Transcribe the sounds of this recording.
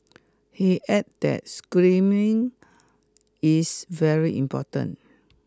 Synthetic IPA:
hiʔɛt̚dɛ̰t̚skɹĩmĩŋ | isvɛɹiʔḭ̃mpɔtə̰̃n

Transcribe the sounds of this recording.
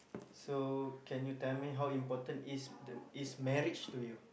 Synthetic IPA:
sokɛ̃njutɛlmiɦawĩmpɔtə̃nisdəismɛɹit͡ʃtuju

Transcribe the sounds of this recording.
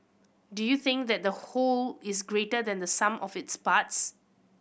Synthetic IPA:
dujuθɪ̃ŋk̚d̪ɛt̚d̪əholɪsɡɹetəd̪ɛ̃nd̪əsãmʔɔfɪtspats

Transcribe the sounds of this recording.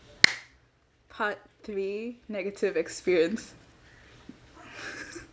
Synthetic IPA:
pʰatθɹiːnɛɡətʰɪvɛkspiɹiə̃ns

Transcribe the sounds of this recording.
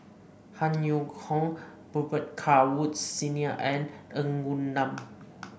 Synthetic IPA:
hanjukʰɔŋ | b̥ubət̚kʰawut̚siniəʔɛnəŋɡunːam

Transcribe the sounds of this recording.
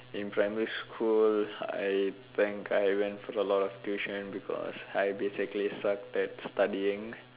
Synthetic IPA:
ɪ̃npɾaɪmiɾiskʰula̰ɪt̪ʰɪ̃ŋkʰaɪʋɛ̃nʈfɔɾəlɔːʈɔfʈuʃə̃nbikʰɔ̰saɪbeːsiklisʌk̚ʈɛʈsʈaɖiĩŋ

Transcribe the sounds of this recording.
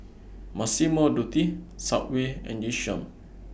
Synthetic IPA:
masimədut̪isaʔweɛ̰̃niʃɔ̰̃n

